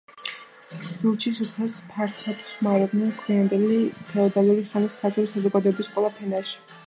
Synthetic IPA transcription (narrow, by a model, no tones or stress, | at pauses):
d̥uɾt͡ʃʰisupʰɛspʰaɾt̪ʰat̪ʰʃmaɾɛb̪nɛnkʰwiand̪ɛlit̪ʰɛɔd̪aluɾiχaniskʰaɾt̪ʼʰuɾisazɔɡad̪ɔɛbisqʼwɛlˠapʰɛnaʃi̥